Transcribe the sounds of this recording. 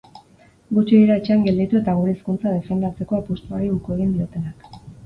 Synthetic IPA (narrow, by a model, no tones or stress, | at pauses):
ɡut͡ʃiðiɾaet͡ʃeaŋɡe̞ld̪it̪ue̞t̪aɣ̞uɾe̞ːskunt͡sað̞e̞fe̞nd̪at͡se̞koapust̪uaɾiuɾkue̞ɣind̪io̞t̪e̞nak